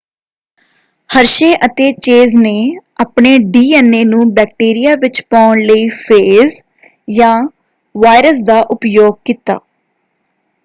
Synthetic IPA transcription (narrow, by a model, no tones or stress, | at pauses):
həɾʃeːʔət̪eːt͡ʃeːzneːaːpɳeːɖiːɛːneːnũːbɛːk̚ʈeːɾijaːʋɪt͡ʃpaːʊnləiːpʰeːz | jãː | ʋaːɪɾəs̬d̪aːʔʊpjoːɡ̚kiːt̪a̰ː